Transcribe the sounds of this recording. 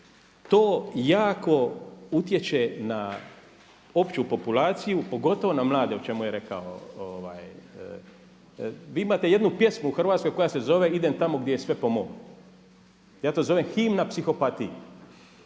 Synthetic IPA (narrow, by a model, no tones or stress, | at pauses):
t̪oːjaːko̞ut̪je̞t͡ʃe̞na | o̞pt͡ʃupo̞pulaːt̪sijupo̞ɡo̞t̪o̞ʋo̞namlˠaːd̪eut͡ʃe̞mujeɾe̞ka̰o̰oʋa̰ːj | ʋiːimat̪e̞je̞d̪nupje̞smuuxrʋaːt̪sko̞jko̞jase̞zo̞ʋe̞id̪emt̪amo̞ɡd̪jejesʋe̞po̞moɡ | jaːt̪o̞ːzo̞ʋe̞mxiːmnapsixo̞pat̪iju